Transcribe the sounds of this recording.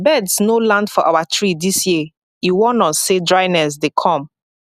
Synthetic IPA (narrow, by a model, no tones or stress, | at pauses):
bɛdsnolãndfɔʔa̰watʰɹidisji | iwɔ̃nɔ̃sːedɹaɪnɛs̬dekʰɔ̃m